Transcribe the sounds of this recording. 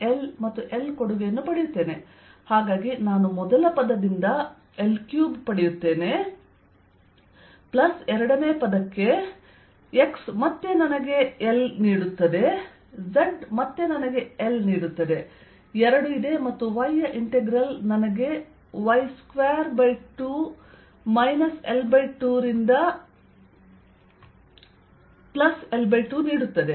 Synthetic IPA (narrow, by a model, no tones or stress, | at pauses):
elmɐt̪ːuʔelkoɽuʋejɐnːupɐɽejut̪ːe̞ːne | haːɡaːɡinaːnumɔd̪ɐlɐpɐd̪ɐd̪ind̪ɐ | elkjuːbpɐɽejut̪ːe̞ːne̞ | plɐsɛɾɐɽɐne̞ːpɐd̪ɐkːe̞ | eksmɐt̪ːe̞nɐnɐɡe̞elniːɽut̪ːɐd̪e̞ | zɐɖmɐt̪ːe̞nɐnɐɡe̞elniːɽut̪ːɐd̪e | ɛɾɐɽuid̪e̞mɐt̪ːuʋɐjːɐʔiɳʈeɡɾɐlnɐnɐɡe̞ | ʋɐjskʋeːɐɾbɐjʈu | mɐjnɐselbɐjʈːuːɾind̪ɐ | plɐselbɐjʈːuːniːɽut̪ːɐd̪e